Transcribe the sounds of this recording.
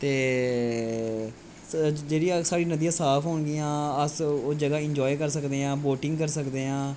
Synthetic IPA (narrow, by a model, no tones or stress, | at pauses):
t̪eː | d͡ʒeːɽiaːsaːɽiːnəd̪ijãːsaːpʰɦoːɳɡɪjãːəsod͡ʒəɡaːɪ̃ɲd͡ʒɔːekəɾsəkd̪eːãːboːʈɪ̃ŋɡkəɾsəkd̪eːãː